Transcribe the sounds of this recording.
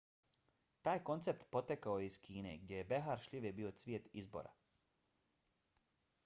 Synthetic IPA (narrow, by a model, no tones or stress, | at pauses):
t̪aːjko̞nt̪sep̚t̪po̞t̪ekaojiskʰiːnḛɡdejebeɦaːɾʃʎʲiʋjebiːosʋjet̪izbo̰ɾa̰